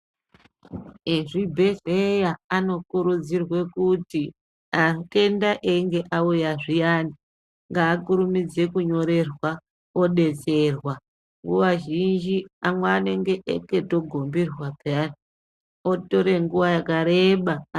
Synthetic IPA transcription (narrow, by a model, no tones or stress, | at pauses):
eʐibʱe̞ɮejaano̞kuɾud͡zirwe̞kuti | ake̞ndaʔeŋɡe̞ʔaujaʐijani | ŋɡaːkuɾumid͡ze̞kuɲo̞ɾe̞rwa | o̞ɗe̞t͡se̞rwa | ŋɡuʋaʒind͡ʒiamweːne̞ŋɡeʔḛketo̞ɡʱombirwabʱeani | oto̞ɾe̞ŋɡuʋajakaɾeɓa